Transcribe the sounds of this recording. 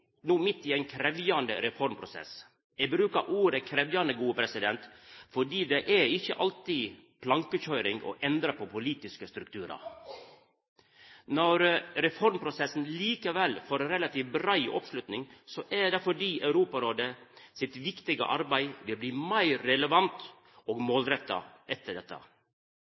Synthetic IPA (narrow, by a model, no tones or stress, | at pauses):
nuːmɪt̪ːɪɛɪnkʰɾɛʋjɑnd̪ə̰ɾɛfɔɾmpʰɾʊsɛ̰s | æɪbɾʉːkɑʔuːɾɛkʰɾɛʋjɑnd̪əɡuːəpʰɾɛsɪd̪ɛnt̪fɔɖiːd̪ɛʔæɪçːə̰ʔɑlt̪iːpʰlɑŋkəçœʏɾɪŋɡɔ̰ʔɛnd̪ɾəpʰɔpʰʊliːt̪ɪskəst̪ɾʉkt̪ʰʉːɾɑ̰ɾ | nɔɾɾɛfɔɾmpʰɾʊsɛsn̩liːkəʋɛlːfoɾɾɛlɑt̪iːʋbɾæɪ̰ʔɔ̰pʂlʉt̪nɪŋsɔʔæɖ̪ɛfɔɖiːʔɑʉɾuːpɑɾoːd̪əsɪt̪ʋɪkt̪ɪɡə̰ʔɑɾbæɪʋɪlbliːmæɪɾɾɛləʋɑnt̪ | oːɡmoːlɾɛt̪ːɑ̰ʔɛt̪ːəɖɛt̪ːə̰